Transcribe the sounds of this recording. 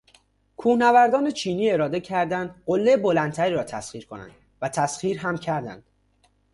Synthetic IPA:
kʰuːhnævæɾd̪ɒːne̞t͡ʃʰiːniːe̞ɾɒːd̪e̞cʰæɾd̪ænd̪ɢolːebolænt̪ʰæɾiːɾɒːt̪ʰæsχiːɾkʰo̞næ̰nd̪̥ | væt̪ʰæsχiːɾɦæmcʰæɾd̪æ̰nd̪̥

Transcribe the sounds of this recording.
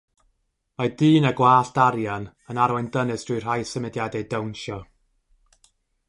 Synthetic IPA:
madɨːnaɡwaːɬd̥aɾjan | ənaɾwɛndənɨsd̥ʰrʊɨr̥ajsəmɨdjadɛdəwnʃɔ

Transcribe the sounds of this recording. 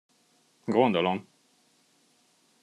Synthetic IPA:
ɡond̪olom

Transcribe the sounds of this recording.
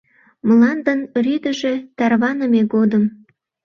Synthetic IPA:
məlɑnd̪ənryd̪əʒet̪ɑrβɑnəmeɣod̪əm

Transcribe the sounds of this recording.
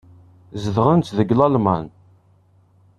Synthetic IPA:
zəðʁənt̪ðəɡlɑlma̰n

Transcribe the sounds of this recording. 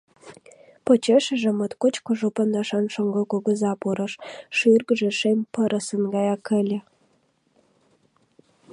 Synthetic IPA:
pŏt͡ɕeʃə̆ʒĕmət̪kot͡ɕkoʒopə̆nd̪ɑʃɑnʃoŋɡŏkoɡə̆zɑpuɾɤ̆ʃʃyrɡʒĕʃemʲpəɾəsə̆nɡɑjɑkʰə̆lʲĕ

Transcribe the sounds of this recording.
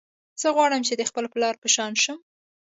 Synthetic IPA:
z̥əɣwɑɽəmt͡ʃed̪əxpəlplɑɾpəʃɑnʃəm

